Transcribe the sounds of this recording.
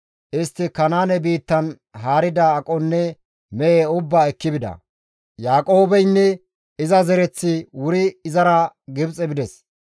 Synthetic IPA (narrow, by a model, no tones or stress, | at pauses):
ʔɪst̪ːɪkɐnaːnɛbiːt̪ːɐn | ɦaːɾɪd̪ɐːkʼɔnːɛ | mɛʔeːʊbːaːɛkːɪbɪd̪ɐ̰ | jaːkʼo̞ːbɛjnːɛ | ɪzɐzɛɾɛt͡sːɪwʊɾɪːzɐɾɐɡɪbt͡sʼɛbɪd̪ɛs